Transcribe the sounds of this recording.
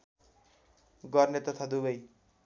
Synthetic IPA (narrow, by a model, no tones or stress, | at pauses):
ɡʌrnet̪ʌt̪ʰad̪ubʌj